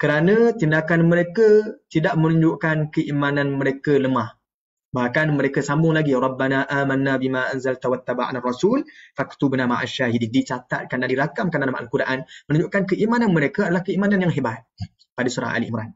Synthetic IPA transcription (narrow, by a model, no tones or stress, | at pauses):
kəɾanə̃t̪indakanməɾekət̪idaʔmənũɲd͡ʒʊʔkankəʔimanãnməɾekələmah | bahkanməɾekəsambʊŋlaɡiɾˤɑbːanaʔamanːabimaʔanzalt̪awat̪ːabaʔa̰narːɑsulfakt̪ubnama̰ʕa̰ʃaɦidindit͡ʃat̪a̰t̪̚kandadiɾakamkandalamaʔa̰lkuɾʔanmənũɲd͡ʒʊʔkankəʔimananməɾekəadalahkəimananjaŋɦebat̪̚ | padasuɾa̰ŋʔa̰lḭʔimɾa̰n